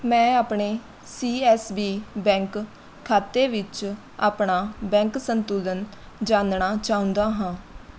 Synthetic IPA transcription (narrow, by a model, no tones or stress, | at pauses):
mɛ̃ːaːpɳeː | siːɛːsbiːbɛ̃ːŋkʰː | aːt̪eːʋɪt͡ʃ | a̰ːpɳaːbɛ̃ːŋksənt̪uːlən | d͡ʒãːnɳaːt͡ʃaːʊ̃nd̪aːɦãː